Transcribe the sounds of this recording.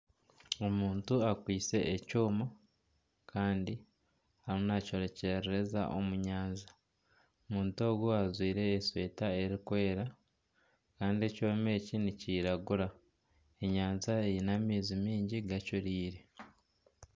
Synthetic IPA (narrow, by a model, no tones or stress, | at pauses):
o̞muːntuakwiːse̞ʔːcoːma | kʰaːndi | haɾunaco̞ɾe̞ceeɾeɾe̞za̰ʔo̞̰muɲaːnza | omuːnto̞ːɡuazwiːɾe̞ːswe̞ːtae̞ɾikwe̞ːɾa | kaːndie̞coːme̞ːciniciːɾaɡuɾa | e̞ɲaːnzaejinamiːzimiːɲɟiɡacuɾiːɾe̞